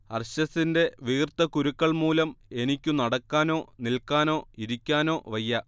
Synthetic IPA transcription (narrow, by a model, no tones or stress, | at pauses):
ɐrɕɐsinde̞ʋirt̪ːɐkuɾukːɐɭmuːlɐme̞nikʲːunɐɽɐkːaːno̞ːnilkːaːno̞ːiɾikʲːaːno̞ːʋɐjːɐ